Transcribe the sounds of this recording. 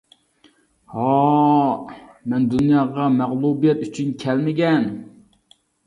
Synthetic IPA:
hɑ | mɛnd̪unjɑːʁɑmæʁlˠubijɛt̪yt͡ʃʰynkʲʰɛlmɪɡʲɛn

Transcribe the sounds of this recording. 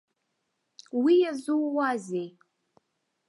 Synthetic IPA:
wijazuwwazej

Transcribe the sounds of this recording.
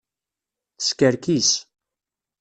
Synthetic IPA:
θskæɾkis

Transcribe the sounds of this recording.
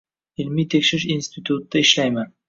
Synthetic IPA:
ɪlmijt̪ʰekʲʃɪɾɪʃinst̪ʰit̪ʰut̪̚d̪̥aɪʃlajman

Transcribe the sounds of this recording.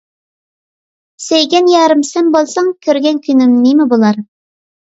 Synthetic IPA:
sejɡʲænjɑɾəmsembolˠsɑŋkʲʰøɾɡʲænkʲʰynɪmnimɪbolˠɑɾ

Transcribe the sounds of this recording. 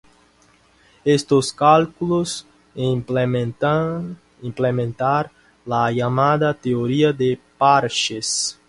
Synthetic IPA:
est̪oskalkulos | a | implemẽnt̪aɾ | lajamad̪at̪eoɾiad̪epaɾʃes

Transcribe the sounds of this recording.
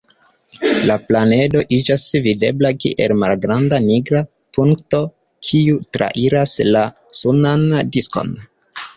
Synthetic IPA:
laplane̞do̞ʔid͡ʒasvide̞̰blakḭʔe̞̰lmalɡɾandaniɡɾa | puŋkto̞ | kʰiutɾa̰ʔiɾasla | sunandisko̞̰n

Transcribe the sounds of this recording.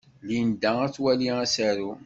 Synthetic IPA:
lind̪ææt͡sːwæliæsæɾu

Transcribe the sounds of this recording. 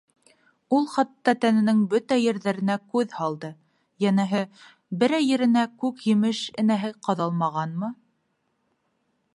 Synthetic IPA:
ulˠχɑt̪ːɑt̪ænɘ̆nɘŋbɵt̪æjɘ̆ɾðæɾɘ̆nækʉðhɑlˠd̪ɤ | jænæɦɘ | bɘ̆ɾæjɘ̆ɾɘ̆nækʉkjɘ̆mɘʃɘ̆næɦɘqɑðɑlˠmɑʁɑnmɤ

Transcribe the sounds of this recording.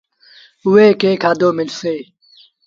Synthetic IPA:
ʊeːkeːkʰaːd̪oːmɪlseː

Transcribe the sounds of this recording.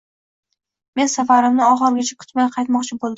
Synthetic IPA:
me̞nsafaɾɪmnɪɒχɨɾɡʲat͡ʃʰakʲʰʊ̥t̪majʲqʰɑjt̪mɒqt͡ʃʰɪbolˠd̪

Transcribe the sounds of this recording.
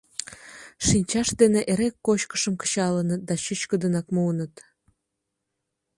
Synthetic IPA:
ʃinʲt͡ɕɑʃd̪eneʔeɾekːot͡ɕkə̥ʃəmkə̥t͡ɕɑlənət̪̚d̪ɑɕyt͡ɕkəd̪ənɑkmuənət̪

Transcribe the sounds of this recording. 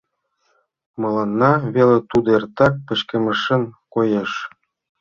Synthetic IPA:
mɤ̆lɑnːɑβelet̪ud̪ert̪ɑk̚pə̆t͡ɕkə̆mə̆ʃə̆nkojeʃ

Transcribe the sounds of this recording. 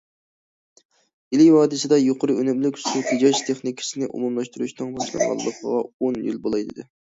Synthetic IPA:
ilɪjhɑːd̪ɨsɨd̪ɑjoqʰəɾɨønymlykʲst̪ut̪ʰed͡ʒɑd͡ʒt̪ʰeχnikʲʰsɪnɪʔṵmumlˠɑʃt̪uɾuʃnɨŋbɑʃlɑ̰ɾʁɑ̰lˠːəqʰəʁɑonjy̰lbolˠɑjd̪ɨd̪ɪ

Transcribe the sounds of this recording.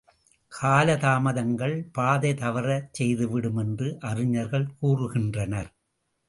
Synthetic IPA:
kʰaːlɐðaːmɐðɐŋɡɐɭpaːðɐɪt̪ɐʋɐɾɐt͡ʃɛjðɯʋɪɽɯmɛndrɯʔɐrɪɲɐɾɣɐɭkuːrɯɣɪndrɐnɐɾ

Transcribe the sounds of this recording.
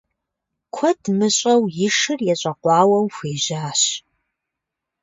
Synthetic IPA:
kʷʰɔdmɨɕʼɐwjɪʂɨrjɛɕʼɐqʷɑːwɐwxʷeːʑaːɕ

